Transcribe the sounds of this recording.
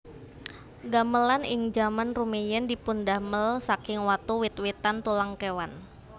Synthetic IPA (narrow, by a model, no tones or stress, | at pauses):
ɡaməlanɪŋd͡ʒamanrumejɛndipundahməlsakɪŋwat̪uwɪt̪wit̪ant̪ulaŋkewan